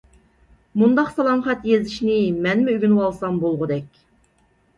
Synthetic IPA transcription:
mund̪ɑqsɑlˠɑmχɛt̪jezɪʃnɪmɛnmɪyɡʲynwɑlˠsɑmbolˠʁʊd̪ɛkʲ

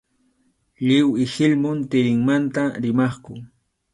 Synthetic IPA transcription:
lɪwɪhɪlmʊnt̪ɪɾɪŋmant̪aɾɪmɑχkʊ

